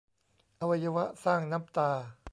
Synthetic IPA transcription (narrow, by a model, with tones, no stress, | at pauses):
ʔa˧wa˧ja˧wa˦˥ʔsaː˥˩ŋna˦˥p̚t̪aː˧